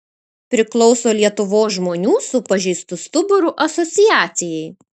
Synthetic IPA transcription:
pʲɾʲɪklˠɒʊsoːlʲiɛt̪ʊʋoːsʒmoːnʲuːsʊpɐʒʲɛɪst̪ʊst̪ʊbʊɾʊʔɐsɔt̪sʲɪjæːt̪sʲɪjɛɪ

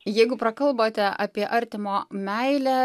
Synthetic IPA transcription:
jɛɪɡʊpɾɐkɐlˠboːt̪ʲɛʔɑːpʲiɛʔɐɾʲt̪ʲɪmoːmʲɛɪlʲæ

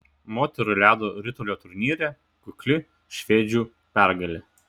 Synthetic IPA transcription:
moːt̪ʲɛɾʊɪlʲæːd̪oːɾʲɪt̪ʊlʲoːt̪ʊɾʲnʲiːɾʲɛ | kʊkʲlʲɪ | ʃʲʋʲeːd͡ʒʲuː | pʲæˑɾɡɐlʲɪ

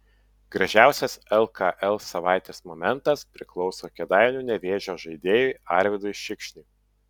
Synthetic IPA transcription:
ɡ̥ɾɐʒʲæˑʊsʲɛsɛlˠkʰɐʔɛlˠsɐʋɑˑɪt̪ʲeːsmomʲɛnt̪ɐspʲɾʲɪklˠɒʊsoːkʲɛd̪ɑˑɪnʲuːnʲɛʋʲeːʒʲoːʒɐɪd̪ʲeːjʊɪɑˑɾʲʋʲɪd̪oɪʃʲɪkʃʲnʲʊɪ

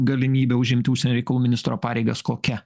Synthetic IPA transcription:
ɡɐlʲɪmʲiːbʲeːʊʒʲɪmʲt̪ʲɪʊʃʲsʲɛnoːɾʲɛɪkɐlˠuːmʲɪnʲɪst̪ɾoːpɑːɾʲɛɪɡɐskoːkʲɛ

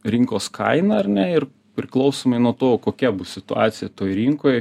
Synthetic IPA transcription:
ɾʲɪŋkoːskʰɐ̰ɪnɐɐrʲnʲɛɪɾ | pʲɾʲɪklˠɒʊsoːmɐɪnuɔt̪oːkoːkʲɛbʊsʲɪt̪ʊɑːt̪sʲɪjɛt̪oːjɾʲiŋkoːj

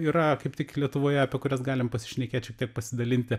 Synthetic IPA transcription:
iːɾɐkɐɪpt̪ʲɪklʲiɛt̪ʊʋoːjɛɐpʲiɛkʊɾʲɛsɡɑːlʲɪmpɐsʲɪʃʲnʲɛkʲeːt̪ʃʲɛk̚t̪ʲiɛk̚pɐsʲɪd̪ɐlʲɪnʲt̪ʲɪ

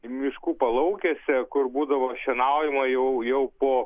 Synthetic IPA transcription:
mʲɪʃkuːpɐlˠɐʊkʲesʲɛkʊrbuːd̪ɐʋoːʃʲɛnɑʊjɛmɐjɛʊjɛʊpoː

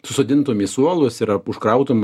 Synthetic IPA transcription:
sʊsoːd̪ʲɪnt̪oːmʲisuɔlˠʊsɪɾɐʊʃkɾɐʊt̪oːm

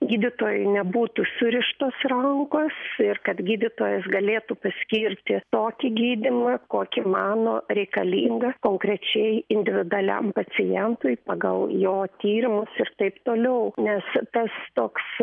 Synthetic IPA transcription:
ɡʲiːd̪ʲɪt̪oːjʊɪnʲɛbuːt̪usʊɾʲɪʃt̪oːsrɐŋkoːsɪrkɐt̪ɡʲiːd̪ʲɪt̪oːjɛsɡɐlʲeːt̪upɐsʲkʲiːɾʲt̪ʲɪt̪oːkʲɪɡʲiːd̪ʲɪmɐkoːkʲɪmɑːnoːɾʲɛɪkɐlʲiːŋɡɐkoːŋkɾʲɛt͡ʃʲɛɪɪnʲd̪ʲɪʋʲɪd̪ʊɐlʲɛ̰mpɐt͡ssʲɪjɛnt̪ʊjpɑːɡɐ̰lˠjoːt̪ʲiːɾʲɪmʊsɪrt̪ɐɪpt̪oːlʲɛʊnʲɛst̪ɐst̪oːks

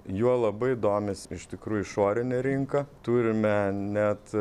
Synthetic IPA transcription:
juɔlˠɐbɐɪɪd̪oːmʲɪsɪʃt̪ʲɪkɾuːjʊɪʃoːɾʲɪnʲɛɾʲiŋkɐt̪uːɾʲɪmʲɛnʲɛt̪

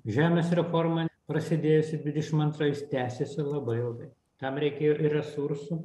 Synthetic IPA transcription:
ʒʲæːmʲeːsɾʲɛfoːɾmɐpɾɐsʲɪd̪ʲeːjʊsʲɪd̪ʲʋʲɪd̪ʲɛʃʲɪmɐnt̪ɾojɪst̪ʲæːsʲesʲɪlˠɐbɐɪɪlˠɡɐɪ | t̪ɐmɾʲɛɪkʲeːjoːʔɪrʲɛsuɾsu

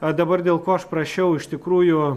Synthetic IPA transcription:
d̪ɐbɐrd̪ʲeːlˠkoːɐʃpɾɐʃʲɛʊɪʃt̪ʲɪkɾuːjʊ

